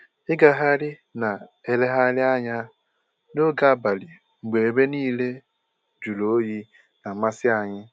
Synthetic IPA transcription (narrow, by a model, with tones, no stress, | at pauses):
ɪ˦ɡa˨ɦa˦ɾɪ˦ | na˨e˨le˦ɦa˦lɪ˦a˦ɲa˦ | no˦ɡa˦˨ba˨li˨ | ŋ͡m̩˨ɡ͡be˨e˨be˦niː˦le˦ | d͡ʒu˨lo˨o˦ji˦ | na˨ma˦sɪ˦a˨ɲɪ˦